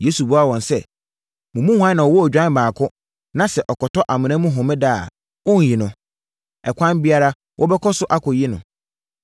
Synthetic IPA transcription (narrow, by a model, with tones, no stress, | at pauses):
je˦su˨bu˦a˦wɔ̃˨nsɛ˦ | mʊ̃˨mũ˦hʷã˦nã˨wɔ˨wɔ˦æ˨d͡ʑᶣã˦n˦bãː˨kʰʊ˦ | nã˦sɛ˨ʔɔ˨kɔ˨tɔ˦ʔa˨mɪ̃˨ñã˦mũ˦ɦʊ̃˨mɪ̃˦da̰˦˨ | wʊ̃˦n˨ji˨nʊ̃˨ | ɛ˨kʷʰã˦nbi˦a˦ɾa˦ | wʔɔ˦bɛ˦kʰɔ˦sʊ˦ʔa˦kʰɔ˨ji˦nʊ̃˨